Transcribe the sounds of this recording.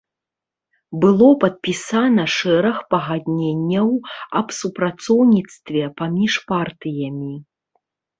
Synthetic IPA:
bɨlˠɔpɐt̪̚pʲisanɐʂɛɾɐxpɐɣad̪ʲnʲenʲːɐwɐbsupɾat̪sɔwnʲit̪st̪vʲɛpamʲiʂpart̪ɨjɐmʲi

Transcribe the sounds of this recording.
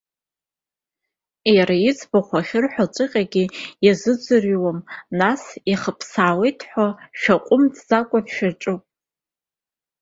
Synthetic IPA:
jaɾajɪt͡sʰʼbaχʷaχʲɪrħʷᶣat͡ʃʷʼɨqʲʼaɡʲijazɨd͡zʷʼɨriwamnasiχəpʰsaːwejtʰħʷaʃᶣaqʷʼʊmdʰzakʷʼabʃᶣaʈ͡ʂʼupʼ

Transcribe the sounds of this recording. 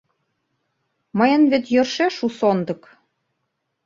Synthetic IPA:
mɤjɤ̆nβet̪jø̆rʃeʃusond̪ɤ̆k

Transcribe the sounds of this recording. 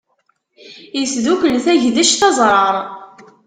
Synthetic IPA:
jəsðukəlθæʝðæʃθɑzˤɾˤɑɾˤ

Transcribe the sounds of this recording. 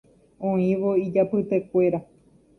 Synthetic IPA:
õĩʋoid͡ʒapɨt̪e̞kʷe̞ɾa

